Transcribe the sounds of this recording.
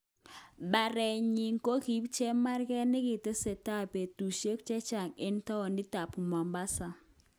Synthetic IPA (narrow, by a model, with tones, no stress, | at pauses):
ba˨ɾɛ˨ɲi˨ŋko˦ki˨bt͡ʃe˦ma˦rkɛ˦nɪ˦kɪ˨te˦se˨ta˦˨pe˨tu˨ʃe˦kt͡ʃɛ˦t͡ʃa˨ŋe˦n˦tɔ˦ɔ˨ndɪ˦ta˨pu˨ma˨mba˦sa˨